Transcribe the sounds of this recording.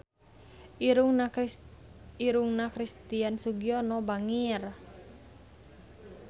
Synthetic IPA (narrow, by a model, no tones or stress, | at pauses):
uŋ | iɾuŋnakɾist̪iansuɡiɔnɔbaŋir